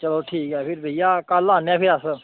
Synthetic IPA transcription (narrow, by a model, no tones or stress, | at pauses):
t͡ʃəloːʈʰiːkɛːpʰɪɾbʱəijaːkaːlãːnãːpʰɪɾəs